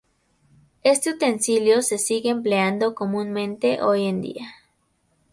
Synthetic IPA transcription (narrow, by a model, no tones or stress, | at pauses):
e̞st̪e̞ut̪e̞nsiljo̞se̞siɣeːmp̬leand̪o̞ko̞mũnmẽ̞nt̪e̞ʔo̞jend̪ḭa